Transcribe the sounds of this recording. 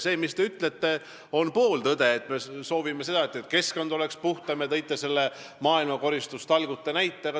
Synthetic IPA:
se̞ːmist̪e̞yt̪le̞t̪ːˑe̞ | o̞npo̞ːld̪ɤd̪e̞ːt̪me̞so̞ːvimese̞d̪ɑt̪ːet̪ˑke̞skond̪o̞le̞kspuht̪ɑmet̪ɤjt̪ˑːese̞lːe | mɑːilmɑko̞ɾist̪ust̪ɑlɡut̪ːˑenæjt̪ːˑeɡɑ

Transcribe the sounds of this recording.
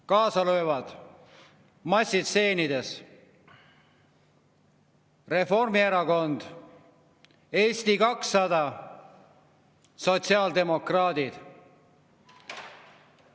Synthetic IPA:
kɑːsɑlø̞ːvɑd̪̥ | mɑsʲːid̪se̞ːnid̪e̞s | re̞fo̞rmieɾɑko̞nd̪̥ | e̞ːst̪ikɑksːɑd̪ɑ | so̞t̪ʲsiɑːld̪e̞mo̞krɑːd̪id̪̥

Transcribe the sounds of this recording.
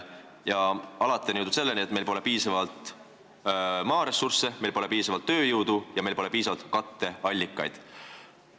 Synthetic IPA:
jɑɑlɑt̪ːˑenuwt̪ud̪se̞lːeniet̪̚me̞jlpo̞le̞piːsɑvɑlt̪ | mɑːɾe̞surse̞mejlpo̞le̞piːsɑvɑlt̪ːø̞ːjuwd̪̥ujɑme̞jlpo̞le̞piːsɑvɑlt̪kɑt̪ːe̞ɑlʲːikːˑɑ̰jd̪̥

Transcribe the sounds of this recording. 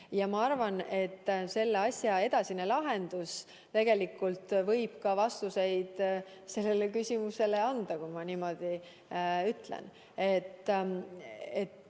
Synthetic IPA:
jɑmɑɑrvɑne̞t̪ːse̞lːeɑsʲjɑe̞d̪ɑsine̞lɑɦe̞nd̪̥us | t̪e̞ɡ̥e̞likːˑult̪vɤ̞jb̥kɑvɑst̪use̞jd̪̥ | se̞lːe̞lekysʲimuse̞le̞ɑnd̪̥ɑkumɑniːmo̞d̪̥i | yt̪lḛn | e̞t̪ː | et̪

